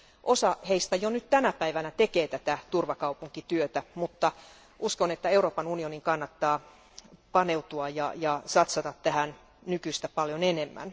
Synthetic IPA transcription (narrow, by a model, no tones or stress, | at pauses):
ʔosɑheist̪æjonyt̪t̪ænæpæiʋænæt̪ekeːt̪æt̪æt̪urʋɑkɑupuŋkit̪yøt̪æmut̪ːɑ | ʔuskonet̪ːæeuroːpɑnunioniŋkɑnːɑt̪ːɑː | pɑne̞ut̪uɑjɑjɑsɑt̪sɑt̪ɑt̪tæhæn | nykyst̪æpɑljonenemːæ̰n